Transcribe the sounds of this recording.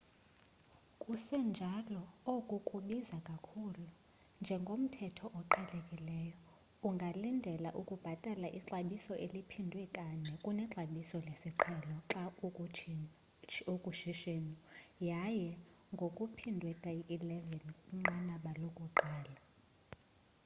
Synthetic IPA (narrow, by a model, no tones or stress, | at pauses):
kʼusɛnd͡ʒʱalɔokʼukʼuɓizakʼakʰulu | nd͡ʒʱɛŋɡʱom̩tʰɛtʰɔʔɔǃʰɛlekʼilɛːjɔ | uŋɡʱalindʱɛlaʔukʼub̥ʱatʼalaʔiǁaɓisɔʔelipʰindʱwɛkʼaɲɛkʼunɛǁaɓisɔlesiǁʰɛlɔǁau | ukʼuʃiʃenujajɛ | ŋɡʱokʼupʰindʱwɛkʼaiʔːlɛvɛnuŋ͡ǀanaɓalokʼuǃaːla